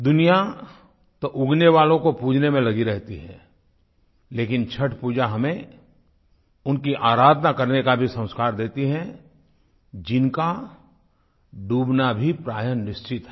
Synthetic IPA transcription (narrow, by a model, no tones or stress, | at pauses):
d̪ʊnija | t̪oʔʊɡneʋaːlõkopuːd͡ʒʱnemẽlɐɡiɾɛɦt̪iɦɛ̰̃ː | leːkɪnt͡ʃʰəʈʰpuːd͡ʒaɦɐmẽ | ʊnkiʔaːɾaːd̪nakɐɾnekabʱisə̃ʊ̃skaːɾd̪eːt̪iɦɛ̃ | d͡ʒɪnka | ɖuːbnabʱipɾaːjənːɪst͡ʃɪt̪ɦɛ